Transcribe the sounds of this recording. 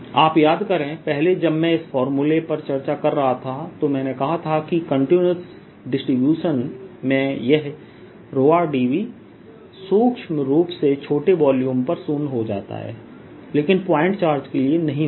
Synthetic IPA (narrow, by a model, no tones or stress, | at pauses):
aːpjaːd̪kɐɾẽːpɛɦled͡ʒɐbmɛ̃ɪsfɔːɾmulepɐɾt͡ʃɐɾt͡ʃakɐɾːɐɦat̪ʰat̪omɛ̃ːnekɐɦat̪ʰakikɐ̃ɳʈinəs | ɖɪsʈɾɪbjuːʃənmẽjɛɦ | ɾoːaːɖiːʋi | suːkʃmɾuːpset͡ʃʰoːʈeʋɔːljũːmpɐɾsuːnɦod͡ʒa̰ːt̪a̰ɦɛ̰ː | leːkɪnpaːɪ̃ɳʈt͡ʃaːɾd͡ʒkelienɐɦĩ